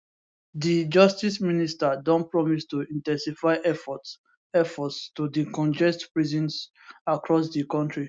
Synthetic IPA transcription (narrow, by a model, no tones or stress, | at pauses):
did͡ʒɔstisministadɔ̃npɹɔmistuĩntɛ̃nsifaɪʔɛfɔ | ɛfɔtstudikɔ̃nd͡ʒɛstpɹizɔ̃ns | akɹɔs̬dikɔ̃ntɹi